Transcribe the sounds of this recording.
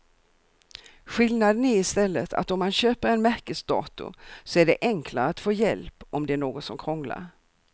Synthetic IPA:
ɧɪlnad̪ənæɾɪst̪ɛlːət̪ʰa̰t̪ɔmːanɕøːpəɾɛnmæɾkəlsd̪ɑ̰ːt̪ʊ̰sɔæɖɛʔɛŋkʰla̰ɾəat̪foːjɛ̰lpɔmd̪ɛæɳoːɡɔt̪sɔmkʰɾɔŋla̰ɾ

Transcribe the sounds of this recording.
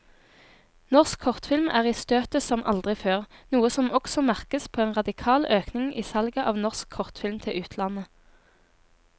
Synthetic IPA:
nɔʁskʰɔʁt̪fɪlmæ̰ːʁiːst̪øːt̪əsɔmʔɑ̰ld̪ʁɪføːʁnuːəsɔmɔksɔmæʁkəspʰoːeːnʁɑd̪ɪkʰɑːlʔøːknɪŋʔḭːsɑlɡəʔɑːʋnɔʁskʰːɔʁt̪fɪlmt̪ʰɪʉːt̪ʰlɑnə

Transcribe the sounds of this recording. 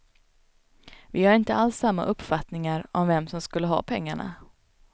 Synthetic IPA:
vɪhaɾɪnt̪əalsːamːa̰ʔɵpːfat̪nɪŋaɾɔmvɛmsɔmskɵlːəɦɑ̰ːpʰɛŋːaɳa̰

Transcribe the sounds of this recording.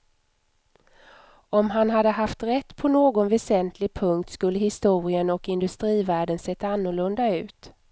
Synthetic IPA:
ɔmɦanɦad̪ːəɦaft̪ɾɛt̪ːpʰɔnoːɡɔnvɛsɛnt̪ʰlɪɡ̚pʰɵŋk̚t̪skɵlːəhɪst̪uːɾɪənɔkɪnd̪ɵst̪ɾiːvæːɖənsɛt̪ːaanːʊɭɵnd̪aʉ̟ːt̪

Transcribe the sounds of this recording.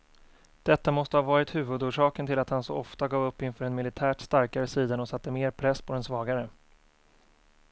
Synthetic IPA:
d̪̥ɛt̪ːamɔst̪əhavɑːɾɪt̪hʉ̟ːvɵd̪uːʂɑːkənt̪ɪlat̪hansɔɔft̪aɡɑːvɵpːɪnfœːɾɛnmɪlɪt̪ʰæːʈst̪aɾkaɾəsiːd̪anɔsat̪ːəmeːɾpʰɾɛsːpʰɔd̪ɛnsvɑːɡaɾə

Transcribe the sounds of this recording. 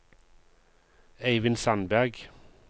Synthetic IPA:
eɪʋɪnsɑnbæʁɡ

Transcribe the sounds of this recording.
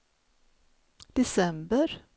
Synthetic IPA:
d̪̥ɛsɛmbəɾ

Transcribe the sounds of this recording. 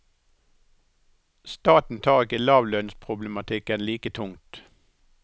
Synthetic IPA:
st̪ɑːt̪n̩t̪ʰɑːʁɪkəlɑːʋlœnspʰʁʊblɛmɑt̪ʰɪkənliːkət̪ʰʊŋt̪

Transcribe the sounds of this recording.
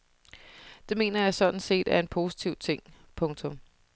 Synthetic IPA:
d̥e̝me̝̰ːnɐjɑ̈ɪsɒ̽d̥n̩se̝̰ːd̥æɐe̝npʰo̝ːsi̥t͡sʰiʊt͡sʰe̝ŋ̰ | pʰɔ̽ŋt͡sʰɔ̽m

